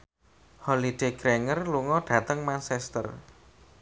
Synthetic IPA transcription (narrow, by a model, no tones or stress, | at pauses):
hɔlid̪̥eɡ̥ɾeŋərluŋɔɖ̥ä̤t̪əŋmansɛst̪ə̰r